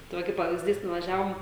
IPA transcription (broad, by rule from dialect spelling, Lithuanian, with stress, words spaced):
tɐɪ ˈʋɐ kɐɪp pɐʋʲɪzʲˈdʲiːs nʊʋɐˈʒʲæːʋoːm